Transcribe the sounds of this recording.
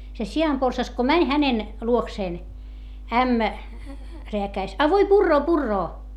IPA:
se siɑmporsɑs ko mænʲ hænen luokseːn æmːæ reækæis ɑ ʋoi purːoː purːoː

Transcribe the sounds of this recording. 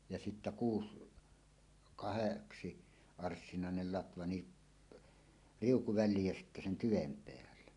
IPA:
jɑ sitːæ kuːs kɑheksi ɑrsːinɑˑenel lɑtʋɑ ni riuku ʋælˑiːj jæ sitːæ sen tyʋem peælːe

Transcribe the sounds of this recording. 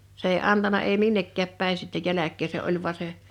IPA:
s eˑi ɑntɑnɑ eˑi minːekːæːp pæˑin sitːe jælækˑeː se ʔolʲ ʋŭɑ se

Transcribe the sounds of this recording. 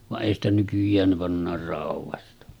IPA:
ʋɑʔ ʔeˑi stæ nykyjˑæːn ne pɑnːɑːr rɑuʋˑɑstɑ

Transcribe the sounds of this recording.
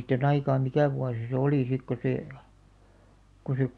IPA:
siːt on ɑikɑː mikæˑ ʋuɑsi se oliˑ sik ko seː ko se

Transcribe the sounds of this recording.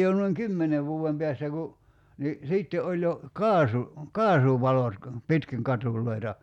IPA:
jo nuiŋ kymːene ʋuːem peæstæ ku ni siˑtːe olʲ jo kɑːsu kɑːsuʋɑlot kɑ pitkiŋ kɑtuˑlˑoi̞tɑ

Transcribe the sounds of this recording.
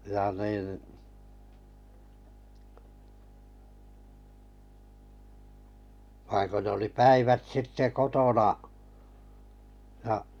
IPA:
jɑ niˑn ʋɑiŋ ko nĕ oli pæiʋæt sitːe kotonɑ j̆ɑ

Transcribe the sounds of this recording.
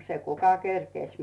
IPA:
se kukɑ kerkeˑsʲ

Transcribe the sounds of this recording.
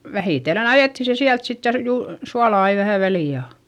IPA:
ʋæhiˑtelːen ɑjeˑtːi se siælt sitːe jɑ r juː suɑlɑ ɑi ʋæhæ ʋæliˑ jɑ

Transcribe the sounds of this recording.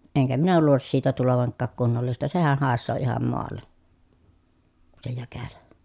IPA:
eŋkæ minæ luːlis siːtæ tuloʋɑŋkːɑːk kunːolːistɑ sehæh hɑˑesːoː ihɑm moɑlːe se jækælæ

